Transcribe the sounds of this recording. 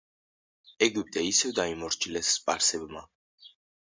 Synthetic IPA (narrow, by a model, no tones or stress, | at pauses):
ɛɡip̚ʼt̪ʼɛisɛvd̪aimɔɾt͡ʃʰilɛsːpʼaɾsɛbma